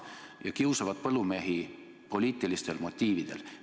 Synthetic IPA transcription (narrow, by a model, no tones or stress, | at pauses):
jɑkiwsɑvɑd̪̚pɤlːumeɦi | po̞liːt̪ːˑilist̪e̞lmo̞t̪ʲːiːvid̪̥e̞l